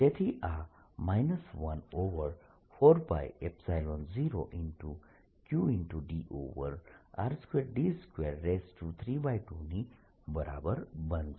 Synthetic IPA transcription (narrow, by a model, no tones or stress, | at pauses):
tet̪ʰiʔa | majnɐsʋɐnoʋəɾ | pʰoɾpa̰jepsajlonziɾoʔinʈu | kjuinʈuɖiʔo̰ʋə̰ɾa̰ɾskweɾɖiskweɾːesʈut̪ʰɾibajʈuni | bəɾa̰bəɾbɐnd͡ʒ